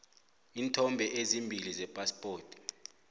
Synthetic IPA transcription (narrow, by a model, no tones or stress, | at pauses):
iːntʰɔmbʱɛʔezimbʱilizɛpʼaspʼoːtʰʼ